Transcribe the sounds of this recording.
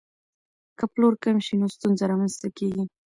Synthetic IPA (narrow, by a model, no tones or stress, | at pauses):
kəploɾkamʃinost̪unzaɾɑmanst̪akeɡi